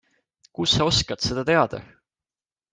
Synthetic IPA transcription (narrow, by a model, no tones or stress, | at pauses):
kusːɑo̞skɑt̪se̞d̪̥ɑt̪e̞ɑd̪̥ɑ̰